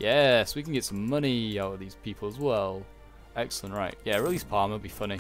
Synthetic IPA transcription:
jɛswikə̃n̩ɡɛtsə̃mʌñiaʊtəðiz̥pʰiˑpʰəl̩ˠəzwɛlˠ | ɛksəl̩ˠə̃nʔɹaɪʔjæɹɪlˠiz̥pʰɑːˑməbifʌni

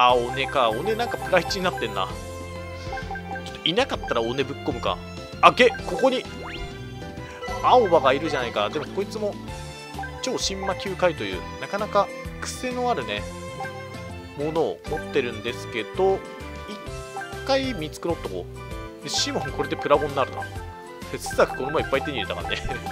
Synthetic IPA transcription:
aone̞kao̞ne̞nãŋkapɯ̟ɾait͡ɕiɲ̟inat̪ːẽ̞nːa̰ | t͡ɕo̞̥t̪ːoʔinakat̪ːaɾaone̞bɯ̟kːo̞mɯ̟ka̰ | aɡe̞ko̞ko̞ɲ̟i | aobaɡaiɾɯ̟ʑanaikad̪e̞mo̞ko̞it͡sɨmo̞ | t͡ɕo̞ːɕĩmːakʲɨːkait̪o̞jɯ̰ːnakanaka | kɯ̟̥se̞no̞aɾɯ̟ne | mo̞no̞̰ːmo̞t̪ːe̞ɾɯ̟̃nd̪e̞sɨ̥ke̞d̪o̞ | ikːaimʲit͡sɨ̥kɯɾo̞t̪ːo̞ko̞̰ | d̪eɕiːmõŋko̞ɾe̞d̪e̞pɯ̟ɾaɡõ̞nːaɾɯ̟t̪a̰ | d̪esɨ̥sakɯ̟̥konomaipːait̪ːe̞ɲ̟iɾet̪aka̰nːe

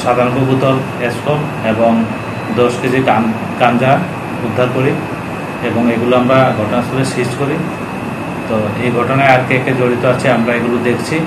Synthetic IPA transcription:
ʃad̪ʱaɾɔbobut̪ɔl | eskol | eboŋ | d̪ɔʃkit͡ɕʰika | kand͡ʑa | ud̪ʱːaɾkoɾi | eboŋeɡuloamɾaɡʱɔʈonasʰoleʃiʃkoɾi | t̪oejɡʱɔʈonaeaɾkeked͡ʑoɽit̪oat͡ɕʰiamɾaeɡulod̪ekʰt͡ɕʰi

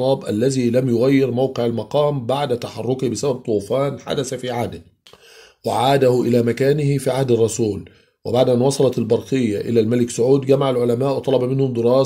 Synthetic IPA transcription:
ɑːbʔa̰lːæðiːlamjʊɣajːɪɾmawqɪʕalmɑqɑːmbaʕd̪at̪aħɑrˤːʊkɪhbɪsabæb̚t̪ˤuːfaːnħa̰d̪aθafiːʕaːd̪ɪ | wɪ̰ʕaːd̪ahʊʔɪlaːmakaːnɪhɪfiːʕahd̪ɑrˤːɑsuːl | wɪbaʕd̪ʔanwɑsˤɑlɑt̪ɪlbɑɾˤqɪjːaʔɪ̰læːlmælɪksʊʕuːd̪ɡamaʕalʕʊlamaːʔwt̪ˤɑlɑbɑmɪnhʊmd̪ɪɾɑː

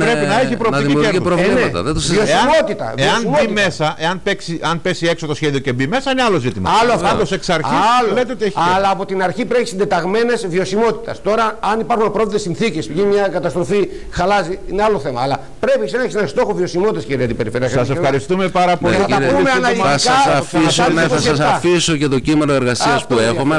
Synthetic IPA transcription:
pɾepinɐeçipɾop̪icieɾɾovlnet̪ɐ̰ðet̪siossiɐmo̞t̪it̪ɐ̰veoɐsnimoime̞sɐʔe̞ɐnpeksiɐnpesie̞ksot̪o̞sçe̞ðio̞cebime̞sɐinealo̞zit̪imɐ̰ɐloɐft̪ɐt̪oseksɐɾçisllet̪eot̪ieçiɐlɐːpo̞t̪inɐɾçipɾeçisind̪e̞t̪ɐɣme̞ne̞zvio̞simo̞t̪i̥t̪ɐ̰st̪o̞ɾɐːnipɐɾxunɐpɾo̞viðesinθice̞spʝinmɲɐkɐt̪ɐst̪ɾo̞fi | xɐlɐziinealo̞θe̞mɐːlɐ | pɾepiseneçis̬enɐst̪o̞xovio̞simo̞t̪it̪ɐskeɾiɐt̪ipeɾifeɾiɐssɐssefxɐɾist̪umepɐɾɐpoɐɐmeɐnɐliskɐfisonsɐsɐfisocet̪ocimenoeɾɣɐsiɐsppuexome

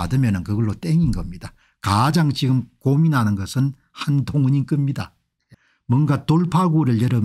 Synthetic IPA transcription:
a̰dɯmjʌnɯnkɯɡʌɭːot͈eŋinɡʌmɲida | kad͡ʑaŋt͡ɕiɡɯmkominɦanɯnɡʌsʰɯn | handʰoŋɯɲink͈ɯmɲida | mwʌnɡatoɭpʰaɡuɾɯɭjʌɾɯm

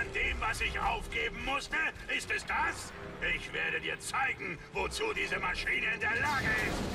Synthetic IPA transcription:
andeːmvasɪçʔa̰ʊfɡ̥eːbm̩mʊstəʔɪstɛsd̥as | ʔɪçv̥ḛːɐɾədiːɐt͡saɪɡŋ̩vot͡suːdiːzəmaʃiːnəɪndeːɐlaːɡəɪst

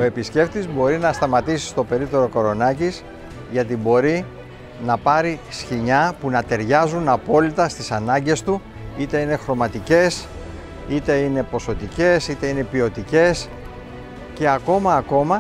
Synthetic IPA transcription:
o̞e̞pisce̞ft̪izbo̞ɾinɐst̪ɐmɐt̪isi̥st̪o̞pe̞ɾit̪o̞ɾo̞ko̞ɾo̞nɐcis | ʝɐt̪̬ibo̞ɾi | nɐpɐɾisçiɲɐpunɐt̪e̞ɾʝɐzunɐpo̞lit̪ɐst̪isɐnɐɲɟe̞st̪u | it̪e̞ine̞xɾo̞mɐt̪ice̞s | it̪e̞ine̞po̞so̞t̪ice̞sit̪e̞ine̞pio̞t̪ice̞s | ce̞ɐko̞mɐːko̞mɐ

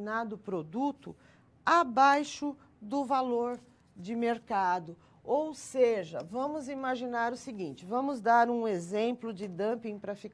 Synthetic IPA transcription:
nad̪ʊpɾod̪ut̪ʊ̰ | abajʃʊ | d̪ʊvaloɾ | d͡ʒɪmeɾkad̪ʊ | owseʒɐvɐ̃mʊzimaʒinaɾʊsiɡĩnt͡ʃɪvɐ̃mʊzd̪aɾũezẽmplʊd͡ʒɪd̪ɐ̃pĩpɾɐfik

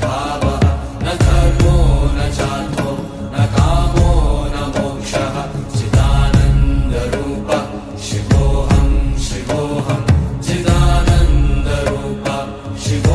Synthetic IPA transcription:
baːbɐɦɐ | nɐkɐloːnɐt͡ʃaːt̪o | nɐkaːmoːnɐmɔkʃɐɦɐt͡ʃɪd̪aːnɐnd̪ɐɾuːpɐ | ʃɪkoːɦɐmʃɪkoːɦɐmt͡ʃit̪aːnɐnd̪ɐɾuːpɐ | ʃɪko

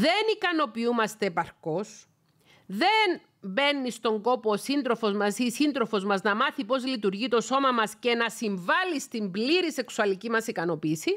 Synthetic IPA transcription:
ðe̞nikɐno̞piumɐst̪e̞ːpɐɾko̞s | ðe̞n | be̞nːist̪o̞ŋɡo̞poːsind̪ɾo̞fo̞zmɐsisind̪ɾo̞fo̞zmɐznɐmɐθipo̞zlit̪uɾʝit̪o̞so̞mɐmɐsce̞nɐsiɱvɐlist̪imbliɾise̞ksuɐlicimɐsikɐno̞piːsi

